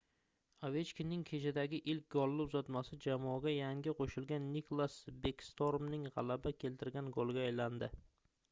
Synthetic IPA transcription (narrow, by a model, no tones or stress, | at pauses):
ave̞t͡ʃkʲinɪŋkʲʰe̞t͡ʃʰad̪aɡʲɪʔɪlk̚ʲɡɒlˠːʊpzɒt̪masɪd͡ʒamɒɡʲajaŋɡʲɪqʰoʃɪlɡʲanːikʰlˠasbekst̪oɾmnɪŋʁɑ̰labakʲʰe̞lt̪ʰɪɾɡʲanɡolˠɡʲaːjland̪ɪ